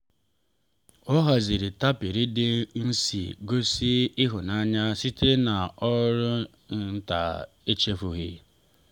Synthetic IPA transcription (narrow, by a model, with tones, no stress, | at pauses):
ɔ˦ɦa˨zi˨ɾi˨ta˦pi˨ɾi˦dɪ˦n̩˦sḭ˨ɡo˦si˦ɪ˦ɦʊ˨na˦ɲa˦si˦te˦na˨ɔ˦ɾʊ˦ | n̩˦n̩˦ta̰˨ | e˦t͡ʃe˦fu˨ɣi˦